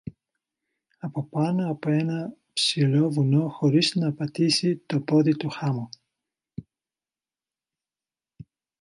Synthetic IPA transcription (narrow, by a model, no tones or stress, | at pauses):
ɐpo̞pɐnoɐpoe̞nɐ | psilo̞vuno̞xo̞ɾiznɐːpɐt̪isit̪o̞po̞ðit̪uxɐmu